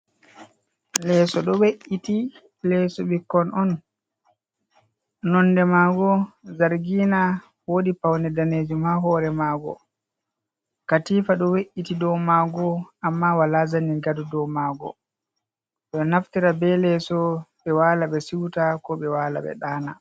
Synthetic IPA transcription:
lɛsɔɗɔweʔiti | lɛsɔɓikːɔnɔn | nɔndɛmaːɡɔzaɾɡiːna | woɗipawnɛdaneːd͡ʒimaɦɔɾɛmaːɡɔ̰ | katiːfaɗɔweʔːitidɔmaːɡɔamːawalazaniɡadudɔwmaːɡɔ̰ | ɗɔnaftiɾabɛlɛsɔɓɛwaːlaɓɛsiwtakɔɓɛwaːla̰ɓɛ̰ɗaːna

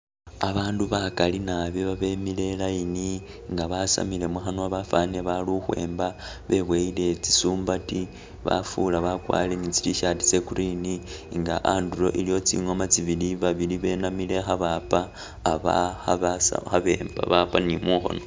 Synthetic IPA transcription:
aβaːnduβakalinaβeβaβe̞mile̞lajini | ŋɡaβasa̰mile̞muxanoaβafaneβaluxwe̞̰ːmba | βe̞βweile̞t͡si̥suːmbati | βa̰fulaβakwa̰lenit͡si̥liʃati̥t͡se̞kuɾiniŋɡaʔandulo̞̰ʔilijo̞t͡sḭŋo̞mat͡siβiliβaβiliβe̞namile̞xaβapaː | βa̰haβaa̰xaβe̞ːmba̰βapanimuxo̞̰no

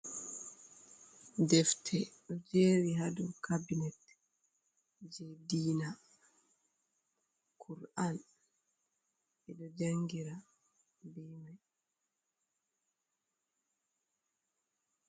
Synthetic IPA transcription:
dɛftʰɛɗɔd͡ʒeːɾiɦadukʰabinɛt | d͡ʒɛdiːna | kʰuɾan | ɛɗɔd͡ʒaŋɡiɾa | bimaj

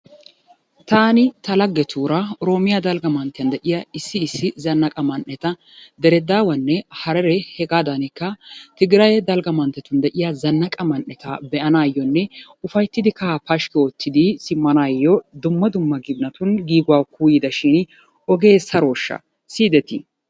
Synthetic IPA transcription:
t̪aːnɪt̪ɐlɐɡːɛt̪ʰuːɾɐɾo̞ːmɪjɐd̪ɐlɡɐmɐnt̪ːɪjɐnd̪ɛʔɪjɐɪsːɪːsːɪzɐnːɐkʼɐmɐnːɛt̪ɐ | d̪ɛɾɛd̪aːwɐnːɛhɐɾɛɾɛhɛɡaːd̪ɐnɪkːɐt̪ɪɡɾɐjɛd̪ɐlɡɐmɐnt̪ːɛt̪ʊnd̪ɛʔɪjɐzɐnːɐkʼɐmɐnːɛt̪ɐbɛʔɐnaːjɔnːɛ | ʊfɐjt̪ːɪd̪ɪkɐpɐʃkɛot̪ːɪd̪ɪsɪmːɐnaːjːɔd̪ʊmːɐd̪ʊmːɐɡɪbnɐt̪ʊnɡiːɡʊwaːkuːjɪd̪ɐʃɪn | ɔɡe̞ːsɐɾoːʃːɐ̰ | siːd̪ɛt̪ɪ

